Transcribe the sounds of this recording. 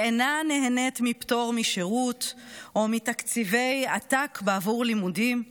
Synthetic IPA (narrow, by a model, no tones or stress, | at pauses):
enaneɦenetmipto̞ʁmiʃeʁutʔomitakt͡sive̞jatakbeavuʁlimudim